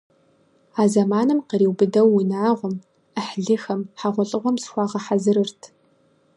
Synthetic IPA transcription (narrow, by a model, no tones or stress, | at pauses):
aːzɐmaːnɨmqəɾiːwbɨdɐwːʊnaːʁʷʊm | əħɮɨxɐmħaʁʷɔɬʼɨʁʷɔmsxʷɑːʁɐħazɨɾɨrtʰ